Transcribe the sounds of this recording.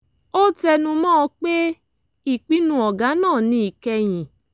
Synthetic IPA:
o˦tɛ˧nũ˧mɔ̃ː˦ɔ˧k͡pe˦ | i˦˨k͡pi˨˦nũ˦ɔ˨ɡã˨˦nãː˦˨nĩ˧˦i˨kɛ˧j̃ĩ˨

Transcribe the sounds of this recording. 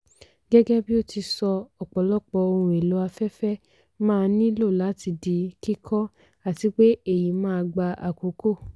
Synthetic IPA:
ɡɛ˦ɡɛ˦bi˦o˦˨ti˧sɔ˧ɔ˨k͡pɔ˨˦lɔ˦k͡pɔ˧o˧ɾũ˧˨e˨lo˨˦a˧fɛ˦fɛ˦ | mãː˦˧nĩ˦lo˦˨la˨˦ti˧di˨˧˦ki˦kʰɔ˦ | a˦˨ti˨˦k͡pe˦e˦˨ji˨˦mãː˦˧ɡ͡ba˧a̰˨ko˨˦ko˦˨

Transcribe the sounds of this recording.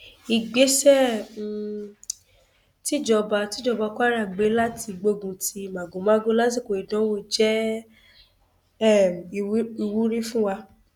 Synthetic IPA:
i˨ɡ͡be˨˦sɛ˦˨ | ti˦d͡ʒɔ˧ba˧ti˦d͡ʒɔ˧ba˧kʷa˦ɾa˦˨ɡ͡be˨˦la˦tʰi˧ɡ͡bo˧ɡũ˨ti˧˨mã˨ɡũ˨˦mã˦ɡo˦la˦t̬i˦˨ko˨i˨dɔ̃˨˦wo˦˨d͡ʒɛ˦ | ɛ˦˨˧i˧wu˦ɾi˦fũ˦wa˧

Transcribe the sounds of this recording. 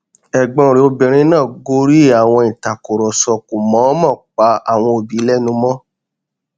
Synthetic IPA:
ɛ˨ɡ͡bɔ̃˧˦˨ɾe˨o˧bi˨ɾ̃ĩ˧˦nãː˦˨ɡo˧˦ɾi˦˨a˨w̃ɔ̃˧ĩ˨ta˨ko˨ɾɔ˨sɔ˧ku˨mɔ̃˨˦mã˦˨k͡pa˧˦a˦˨w̃ɔ̃˧o˨bi˨˦lɛ˦nũ˧mɔ̃˦

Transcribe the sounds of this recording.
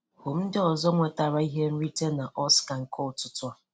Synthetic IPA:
ho˨m̩˦dɪ˦ɔ˨zɔ˦ŋʷe˨ta˨ɾa˦i˦ɦe˦n̩˦ɾi˦te˦na˨ʔɔ˦ska˨ŋ̩˨kʰɔ˦ʊ˨tʊ˦tʊ˦ɔ˦

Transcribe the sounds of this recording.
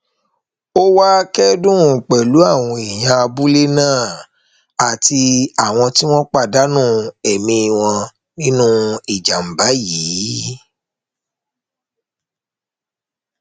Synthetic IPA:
o˦wa˦kɛ˦dũ˦˨k͡pɛ˨lu˨˦a˦˨w̃ɔ̃˧i˨j̃ã˧a˧bu˦le˦nãː˦˨ | a˨ti˧a˨w̃ɔ̃˧ti˦w̃ɔ̃˦k͡pa˦˨da˨˦nũ˦˨ɛ˨mĩ˧i˧˨w̃ɔ̃˧ | nĩ˦nũ˦i˨d͡ʒa˨m̩˨ba˨˦jiː˨˦

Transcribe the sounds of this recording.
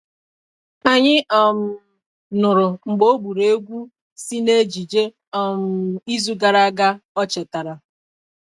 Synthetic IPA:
a˨ɲɪ˦ʔɔ˨m̩˨ | nʊ˨ɾʊ˨ŋ͡m̩˨ɡ͡bo˦bu˨ɾe˦ɡʷu˦ | si˦ne˦d͡ʒi˨d͡ʒe˦ | ɔ˨m̩˨i˦zu˦ɡa˨ɾa˦ɡa˦ɔ˦t͡ʃɛ˨ta˨ɾa˨

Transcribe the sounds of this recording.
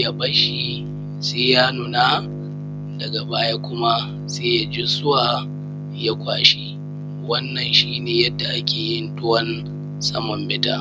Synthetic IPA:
ja˦bɐ˦ʃi˦ | seː˦jaː˦nʊ˨na˦ | dɐ˨ɡa˨baː˦ja˦kʷʊ˦ma˦ | seː˦ja˦d͡ʒɪ˦sʊ˦waː˨ | ja˦kʷaː˦ʃi˦ | wɐ˦nːɐ˨nʃiː˦neː˨jɐ˦dːa˨ʔa˦kʲʰeː˨jɪ˦ndʊ˦wɐ˦n | sʼɐ˦mɔ˨mbɪ˦ta̰˦˨

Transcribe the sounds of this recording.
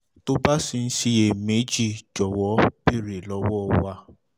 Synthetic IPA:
to˦ba˦si˧n̩˦si˧e˨me˨˦d͡ʒi˦˨d͡ʒɔ˨wɔ˨˦bi˦˨ɾe˨lɔ˧˦wɔ˦wa˧

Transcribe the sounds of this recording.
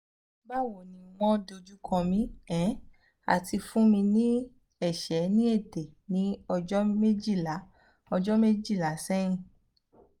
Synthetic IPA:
ba˦˨wo˨nĩ˨w̃ɔ̃˦do˧d͡ʒu˦kʰɔ̃˧mĩ˨˦ɛ̃˨˦ | a̰˨tʰi˧fũ˦mĩ˧nĩ˦ | ɛ˦˨ʃɛ˨˦nĩ˦e˦˨te˨nĩ˨˦ɔ˧d͡ʒɔ˦me˦d͡ʒi˦˨la˨˦ | ɔ˧d͡ʒɔ˦me˦d͡ʒi˦˨la˨˦sɛ̃˦ĩ˦˨

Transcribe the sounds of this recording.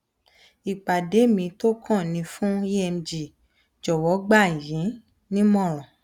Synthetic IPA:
i˨k͡pa˨de˨˦mĩ˧to˦kʰã˦˨nĩ˧fũ˦i˦ɛ˧m˧d͡ʒi˨ | d͡ʒɔ˨wɔ˨˦ɡ͡ba˦˨i˨jĩ˨˦ | nĩ˦mɔ̃˦˨ɾ̃ɔ̃˨

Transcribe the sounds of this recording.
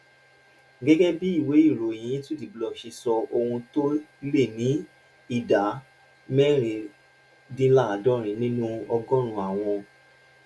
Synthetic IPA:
ɡɛ˦ɡɛ˦bi˦i˦˨we˨˦i˦˨ɾo˨j̃ĩ˧˦ĩ˦tu˦ti˦˨blɔ˧ʃi˧sɔ˧o˧hũ˧to˦le˦˨nĩ˨˦ | i˦˨da˨˦ | mɛ˦ɾ̃ĩ˨ | dĩ˦la˦˨a˨dɔ˦˨ɾ̃ĩ˨˧˦nĩ˦nũ˦ɔ˧ɡɔ̃˦ɾ̃ũ˧a˨w̃ɔ̃˧

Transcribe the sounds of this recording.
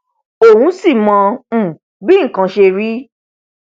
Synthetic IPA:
o˦˨wũ˨˦si˦˨mɔ̃˧˨ | bi˦ŋ̩˨kã˨˦ʃe˧ɾi˦

